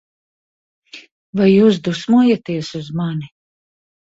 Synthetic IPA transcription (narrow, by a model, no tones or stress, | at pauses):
vajːuːs̬d̪usmuɔjat̪iɛsuzmani